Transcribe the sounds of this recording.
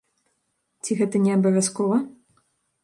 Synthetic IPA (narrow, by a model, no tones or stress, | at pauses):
t͡sʲiɣɛt̪ɐnʲɛɐbɐvʲaskɔvɐ